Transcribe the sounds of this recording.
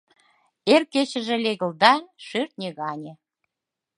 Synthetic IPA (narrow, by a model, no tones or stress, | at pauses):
erket͡ɕə̆ʒĕlʲeɣə̆ld̪ɑnʃyrt̪̚nʲeɣɑnʲĕ